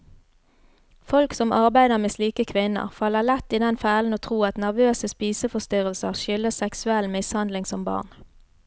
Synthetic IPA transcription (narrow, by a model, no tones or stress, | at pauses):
fɔlksɔmʔɑʁbæɪd̪əʁmeːsliːkəkʰʋɪnə̰ʁfɑlːəʁlɛt̪ːiːd̪ɛnfæːln̩oːt̪ʰʁuːɑt̪næʁʋøːsəspiːsəfɔst̪ʏʁəlsəʁʃʏləsɛksʉɛlːmɪshɑnd̪lɪŋsɔmbɑ̰ːn